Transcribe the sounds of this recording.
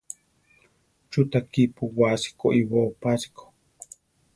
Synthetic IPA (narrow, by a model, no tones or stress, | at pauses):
t͡ʃut̪akipuwasi̥koʔiwoːpasi̥kʰo̥